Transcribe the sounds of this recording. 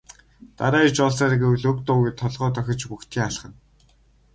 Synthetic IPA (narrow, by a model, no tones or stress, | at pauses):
t̪a̰ɾaːit͡ɕɔːɮsaːɾiɡewɮɵkt̪ʊːɣiːt̪ʰːɔɮʁɔːt̪œxʲɪ̆t͡ɕpuxt̪ʰiːŋaɮχə̆n